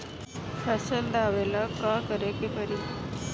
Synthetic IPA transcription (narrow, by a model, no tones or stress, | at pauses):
fʰəsəld̪aʋelakakəɾekepəɾi